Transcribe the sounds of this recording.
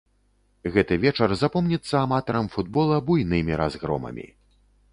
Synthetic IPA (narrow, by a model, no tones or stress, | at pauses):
ɣɛt̪ɨvʲɛt͡ʂɐrzapɔmnʲit̪sːɐamat̪ɐɾɐmfud̪bɔlˠɐbujnɨmʲiɾazɣɾɔ̰mɐ̰mʲḭ